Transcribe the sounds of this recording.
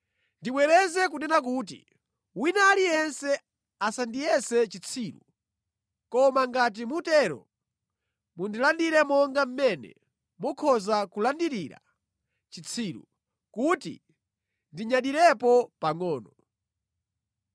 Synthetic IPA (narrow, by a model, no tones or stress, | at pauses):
ndiɓwɛɾɛzɛkunɛnak̬uːtḭ | winalijɛnsɛ | asandijɛsɛt͡ʃit͡sʰiːɾṵ | kɔmaŋɡat̬imutɛɾɔ̰ | mundilandiɾɛmɔŋɡam̩mɛnɛ̰ | mɔkʰɔzakulandiɾiɾa̰ | t͡ʃit͡sʰiːɾṵ | kutḭ | ndiɲaɗiɾɛpɔpaŋɔːnɔ